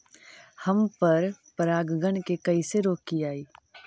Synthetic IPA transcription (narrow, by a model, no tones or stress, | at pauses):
hɐmpɐɾpɐɾaːɡɡənkekɐiseɾoːkːiaːiː